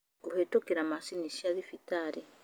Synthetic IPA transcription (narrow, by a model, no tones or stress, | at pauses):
kuhetokiɾamasiniʃiaðifitaɾi